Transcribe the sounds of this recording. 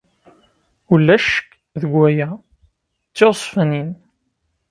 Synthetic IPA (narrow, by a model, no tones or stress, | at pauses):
ulːæʃək | ðəɡʷːæjæ | t͡sːɪsˤfənin